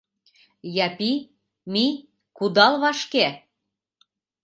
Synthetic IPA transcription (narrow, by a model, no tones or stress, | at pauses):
jɑpi | mi | kud̪ɑlβɑʃke